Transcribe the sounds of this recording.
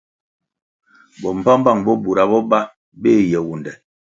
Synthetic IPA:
bɔ˨m̩˨pa˦m˦ba˦˨ŋbɔ˦bu˨ɾa˨bɔ˦ba˦ | be˦˨jɛ˨wu˨ndɛ˨

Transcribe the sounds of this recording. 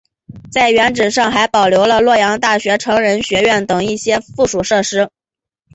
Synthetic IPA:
t͡sa˥˩ɪɥɛ˧˥nʈ͡ʂɻ̩˨˩ʂɑ˥˩ŋxa˧˥ɪpɑ˨˩ʊljo˧˥ʊlə˧lwɔ˥˩jɑ˧˥ŋt̪a˥˩ɕɥɛ˧˥ʈ͡ʂʰɤ˧˥ŋɻə˧˥nɕɥɛ˧˥ɥɛ˥˩nt̪ɤ˨˩ŋi˥˩ɕjɛ˥fu˥˩ʂu˨˩ʂɤ˥˩ʂɻ̩˥

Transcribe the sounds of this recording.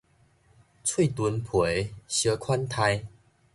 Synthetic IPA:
t͡sʰwi˥˧˨t̪u˧npʰwe˨˦ɕə˧kʰwa˦nt̪ʰa˧j

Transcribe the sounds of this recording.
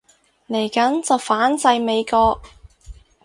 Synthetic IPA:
le˨˩jkɐ˨˥nt͡sɐ˨wfaː˨˥nt͡sɐ˨˧jme˨˧jkɔː˧k̚

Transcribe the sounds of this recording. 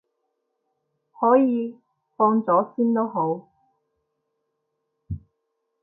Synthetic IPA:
hɔː˨˥jiː˨˧ | fɔː˧ŋt͡sɔː˨˥siː˥nt̪o˥wɦo˨˥w

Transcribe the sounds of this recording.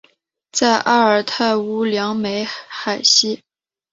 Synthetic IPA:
t͡sa˥˧ɪʔa˥ə˞˨˩t̪ʰa˥˩ɪu˧˥ljɑ˧˥ŋme˧˥ɪxa˨˩ɪɕi˥

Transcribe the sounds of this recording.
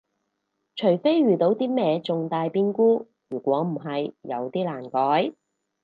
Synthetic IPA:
t͡ʃʰɵ˨˩jfe˥jɥyː˨t̪o˨˥wt̪iː˥mɛː˧t͡sʊ˨ŋt̪aː˧jpiː˥nkuː˥ | ɥyː˨˩kʷɔː˨˥m̩˨˩ɦɐ˨jːɐ˨˧wt̪iː˥laː˨˩nkɔː˨˥j

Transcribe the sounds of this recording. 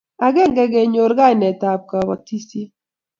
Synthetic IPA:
a˨ɡɛ˦ŋɡɛ˦ɡɛ˨ɲo˨ɾɡa˦jnɛ˨ta˨p̚ka˨bɔ˨ti˦si˦

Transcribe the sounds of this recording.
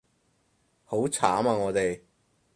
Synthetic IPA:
ho˨˥wt͡sʰaː˨˥maː˧ŋɔː˨˧t̪e˨j

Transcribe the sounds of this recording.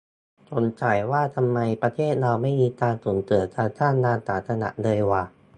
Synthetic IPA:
t͡ɕo˧nt͡ɕaː˨˩jwaː˥˩t̪ʰa˧mːa˧jpɾa˧t̪ʰeː˥˩t̪̚laː˧wma˥˩jmiː˧t̪aː˧nsuː˩˦nt̪ɯ˨˩˦ət͡ɕaː˧k̚t͡ɕaː˥˩ndaː˧nsaː˨˩˦t̪sa˧na̰˨˧˦ʔlɤː˧jwaː˨˩

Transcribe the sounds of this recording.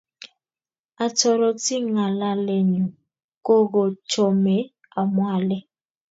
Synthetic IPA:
a˨tʰɔ˨ɾɔ˨ti˦ŋa˨la˦le˦ɲu˨ | ko˦ko˨t͡ʃʰɔ˨mɛ˨ | a˨mwa˦lɛ˦

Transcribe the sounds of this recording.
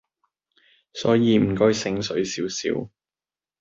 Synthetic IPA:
sɔː˨˥jiː˨˧m̩˨˩kɔː˧jsɪ˨˧˥ŋsɵ˨˥ɥsiː˨˥wsḭː˨˥w

